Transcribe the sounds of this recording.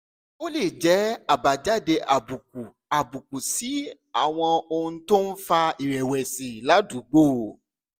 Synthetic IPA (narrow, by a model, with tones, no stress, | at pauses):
o˦le˦˨d͡ʒɛ˨˦a˦˨ba˨d͡ʒa˦˨de˧ʔa˨bu˨k̚u˨ | a˨bu˨ku˨si˨˦ | a˦˨w̃ɔ̃˧o˧ũ˧to˦n̩˦fa˧i˨ɾɛ˨wɛ˨si˨la˨˦du˨˦ɡ͡bo˦˨